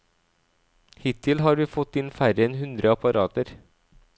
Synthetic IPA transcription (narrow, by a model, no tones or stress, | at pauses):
hɪt̪ʰːɪlɦɑːɾʋiːfɔt̪ːɪnfæɾjənɦʉnd̪ɾʔəɑpɑɾʔɑːt̪əɾ